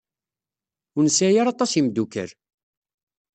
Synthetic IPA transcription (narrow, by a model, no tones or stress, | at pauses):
ʊnəsæjaɾɑt̪ˤːɑsimd̪ukə̰ɾ